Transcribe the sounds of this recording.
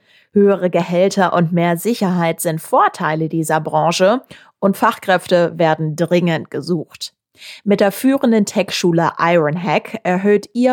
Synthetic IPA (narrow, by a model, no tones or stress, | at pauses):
høːəʁəɡəhɛltɐʔʊntmeːɐzɪçɐɦaɪtz̥ɪntfoːɐtʰaɪlədiːzɐbʁɑ̃ŋʃə | ʔʊntfaχkʁ̥ɛftəveːɐdn̩dʁɪŋəntɡ̥əzuːχt | mɪt̚d̥eːɐfyːʁəndəntʰɛkʃuːləʔa̰ɪʁənɦɛkɛɐɦøːtiːɐ